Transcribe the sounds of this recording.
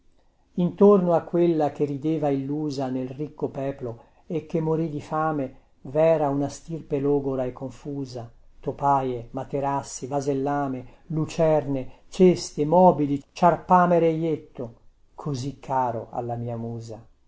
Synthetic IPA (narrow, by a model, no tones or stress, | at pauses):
int̪ornoakːwelːak̟erid̪eːvailːuːzanelrikːopɛːplo | ekːemːoɾid̪ifaːme | vɛːɾaunast̪irpeloːɡoɾaekːoɱfuːzat̪opaːjemat̪eɾasːivazelːaːme | lut͡ʃɛrnet͡ʃest̪emɔːbilit͡ʃarpaːmeɾejet̪ːo | kʰozikʰːaːɾoa̰lːamiːamuːza